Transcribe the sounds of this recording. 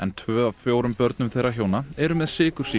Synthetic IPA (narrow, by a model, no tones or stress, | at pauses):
ɛnt̪ʰvœːavfjoːwɾʏmpœɾt̪̚nʏmθejrːaɦjoːwnaɛɾʏmɛðsɪːkʏɾ̥si